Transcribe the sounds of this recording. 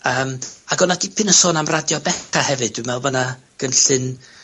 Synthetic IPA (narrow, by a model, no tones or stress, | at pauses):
əːmaɡɔnadipʰɨnəsoːnamradjɔbɛtʰahɛvɨd̥wɨmɛlˠvəna | ɡ̥ənɬɨn